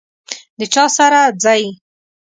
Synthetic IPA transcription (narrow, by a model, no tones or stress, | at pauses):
d̪ət͡ʃɑsaɾad͡zɑj